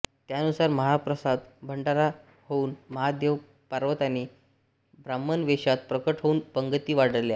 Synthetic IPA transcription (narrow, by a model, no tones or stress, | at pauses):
t̪jaənusaɾməɦapɾəsad̪bʱəɳɖaɾa | houːnməɦad̪jəʋ | paɾʋət̪aniː | bɾamːənʋeɕat̪̚pɾəkəʈɦouːnpəŋɡət̪iːʋaɽ̤əɾlja